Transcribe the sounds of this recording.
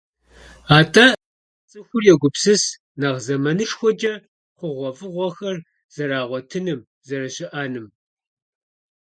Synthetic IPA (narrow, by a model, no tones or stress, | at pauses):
aːtʼɐ | t͡sʼɨxʷʊrjɛɡʷʊpsɨs | nɐʁzɐmɐnɨʂxʷɔd͡ʒɐ | qʷʊʁʷɔfʼɨʁʷɔxɐr | z̥ɐɾaːʁʷɔtʰɨnɨm | zɐɾɐɕɪʔaːnɨm